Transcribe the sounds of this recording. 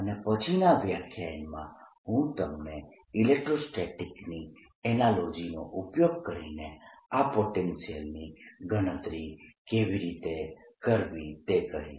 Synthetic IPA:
ənepət͡ʃʰinaʋjakʰjanmã̰ɦũt̪əmne | ilek̚ʈɾosʈeʈikni | ɛnalod͡ʒinoʔupjoɡ̚kəɾḭneapoʈensijəlniɡʱəɽ̃ət̪ɾikeʋiɾit̪ekəɾʋĩt̪eɡəɦḭ̃

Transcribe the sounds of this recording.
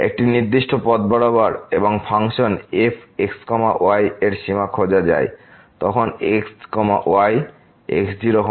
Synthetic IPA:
ḛk̚ʈiniɾd̪iʃʈopɔd̪̚bɔɽobaɾeboŋfʰaŋʃonepʰekskɔma̰ʔoajeɾʃimakʰod͡ʑad͡ʑa̰e | t̪ɔkʰonekskɔma̰ʔoaj | ḛksd͡ʑiɾokʰ

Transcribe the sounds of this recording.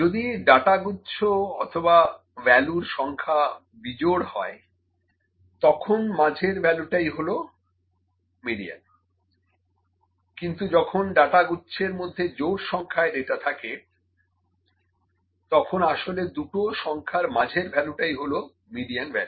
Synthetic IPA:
d͡ʑod̪iɖaʈaɡutːɕʰoɔt̪ʰoba | bɛluɾʃɔŋkʰa | bid͡ʑoɽhɔe | t̪ɔkʰonmãd͡ʑʱeɾbɛluʈajɦolo | miɖija̰n | kint̪ud͡ʑɔkʰonɖaʈaɡutːɕʰeɾmod̪ʱːed͡ʑowʈʃɔŋkʰaeɖeʈat̪ʰake | t̪ɔkʰonaʃoled̪uʈoʃɔŋkʰaɾmad͡ʑʱeɾbʱɛluʈajɦolo | miɖijanbɛlu

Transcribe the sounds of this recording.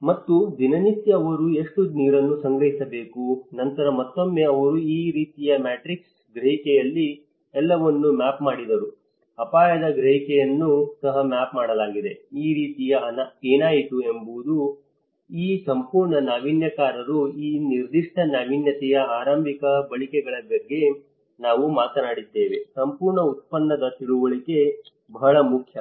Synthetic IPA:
mɐt̪ːud̪inɐnisjɐːʋɐɾue̞ʂʈuniːɾɐnːusɐŋɡɾɐɦisɐbe̞ːkunɐnt̪ɐɾɐmɐt̪ːo̞mːe̞ɐʋɐɾuiːɾiːt̪ijɐmaːʈɾiks | ɡɾɐɦikɛjɐlːi | ɛlːɐʋɐnːumaːpmaːɽid̪ɐɾu | ɐpaːjɐd̪ɐɡɾɐɦikɛjɐnːusɐɦɐmaːpmaːɽɐlaːɡid̪e̞iːɾiːt̪ijɐnaeːnaːjit̪uembuud̪u | iːsɐmpuːɾɳɐnaːʋinjɐkaːɾɐɾuiːniɾd̪iʂʈɐnaːʋinjɐt̪ɛjɐaːɾɐmbʱikɐbɐɭikɛɡɐɭɐbɐɡːe̞ | naːʋumaːt̪ɐnaːɽid̪ːe̞ːʋe̞sɐmpuːɾɳɐut̪̚pɐnːɐd̪ɐt̪iɭuʋɐɭike̞ | bɐɦɐɭɐmukʰjɐ

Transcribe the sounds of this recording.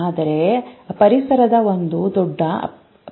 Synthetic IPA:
aːd̪ɐɾe̞pɐɾisɐɾɐd̪ɐo̞nd̪ud̪ɔɖːɐ

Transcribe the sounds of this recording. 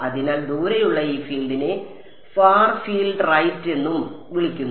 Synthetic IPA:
ɐðinaːld̪uːɾɐjuɭːɐiːfiːlɖine | faːrfiːlɖrɐjtːe̞nːum | ʋiɭikʲːunː

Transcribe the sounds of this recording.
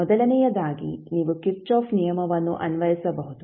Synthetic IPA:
mɔd̪ɐlɐnɛjɐd̪aːɡḭniːʋukip̚t͡ʃaːfnijɐmɐʋɐnːṵʔɐnʋɐɦisɐbɐɦud̪u

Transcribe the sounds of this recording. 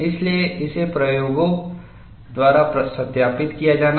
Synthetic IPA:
ɪslieʔɪsepɾɐjoːɡõ | d̪waːɾapɾɐsɐt̪jaːpɪt̪kijad͡ʒaːna

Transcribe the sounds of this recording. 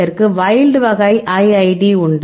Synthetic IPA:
ɐɾkɯʋɐjɪlɖɯʋɐɣɐɪʔɐɪɐɪɖiʊɳɖ

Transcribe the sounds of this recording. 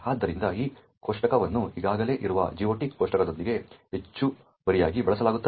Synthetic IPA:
aːd̪ːɐɾind̪ɐiː | koːʂʈɐkɐʋɐnːuiɡaːɡɐle̞ːʔiɾuʋɐ̰d͡ʒiːʋɐʈikoːʂʈɐkɐd̪o̞nd̪iɡe̞ɦet͡ʃːu | bɐɾijaːɡibɛɭɐsɐlaːɡut̪ːɐ

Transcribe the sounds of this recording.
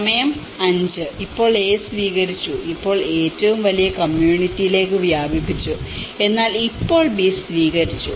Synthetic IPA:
ɐmɐjɐm | ɐɲd͡ʑɨipːo̞ːɭe̞ːsʋiːɣɐɾit͡ɕːuipːo̞ːɭe̞ːtːɐʋumʋɐlijɐkɐmjuːɳitːijile̞ːkːɨʋjaːbʱipːit͡ɕːue̞nːaːlipːo̞ːɭbisʋiːɣɐɾit͡ɕːu

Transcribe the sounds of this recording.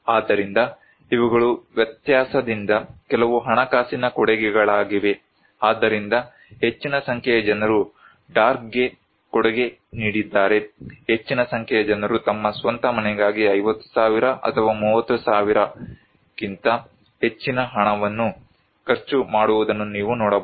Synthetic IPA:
aːd̪ːɐɾind̪ɐ | iʋuɡɐɭuʋjɐt̪jaːsɐd̪ind̪ɐkɛlɐʋuɦɐɳɐkaːsinɐkɔɽɛɡɛɡɐɭaːɡiʋe̞ | aːd̪ːɐɾind̪ɐ | ɦe̞t͡ʃːinɐsɐŋkʰɛjɐd͡ʒɐnɐɾu | ɖaːɾk̚ɡe̞ | kɔɽɛɡe̞niːɽid̪ːaːɾe̞ɦe̞t͡ʃːinɐsɐŋkʰɛjɐd͡ʒɐnɐɾut̪ɐmːɐsʋɐnt̪ɐmɐnɛɡaːɡiɐjʋɐt̪ːu̥saːʋiɾɐʔɐ̰t̪ʰɐʋaːmuːʋɐt̪ːusaːʋiɾɐ | kint̪ɐ | ɦe̞t͡ʃːinɐɦɐɳɐʋɐnːu | kɐɾt͡ʃumaːɽuʋud̪ɐnːuniːʋunɔːɽɐb

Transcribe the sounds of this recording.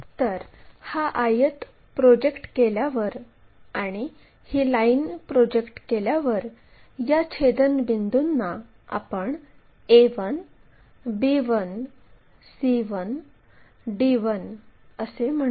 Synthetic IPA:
t̪əɾhaʔajət̪ | pɾɔd͡ʑekʈkeljaʋəɾ | aɽ̃i | hiːlainpɾɔd͡ʑekʈkeljaʋəɾ | jat͡ɕʰed̪ənbind̪unːa | a̰pəɳ | eʋən | biʋən | siʋən | ɖiʋənəsem̤ə

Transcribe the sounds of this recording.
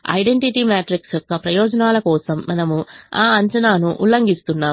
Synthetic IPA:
ɐ̰jɖe̞ɳʈiʈimaːʈɾiksjɔkːɐpɾɐjɔːd͡ʒɐnaːlɐkɔːsɐmːɐnɐmuaːɐɲt͡ʃɐnaːnuʔulːɐŋɡist̪unːaː

